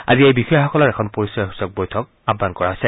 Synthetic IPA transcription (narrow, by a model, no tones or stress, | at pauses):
a̰ziejbixɔjɔxɔkɔlɔɹɛkʰɔnpoɹisɔjɦusɔk̚bojtʰɔk | abːankɔɹaɦojsɛ